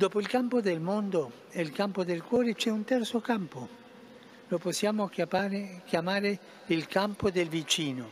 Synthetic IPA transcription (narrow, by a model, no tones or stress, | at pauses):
d̪ɔːpoilkampod̪elmond̪o | elkampod̪elkwɔːɾet͡ʃɛunt̪ɛrt̪sokampo | loposːjaːmo | kjamaːɾe | ilkampod̪elvit͡ʃiːno